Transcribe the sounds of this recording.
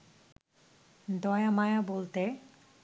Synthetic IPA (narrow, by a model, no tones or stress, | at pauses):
d̪ɔjamajabolt̪e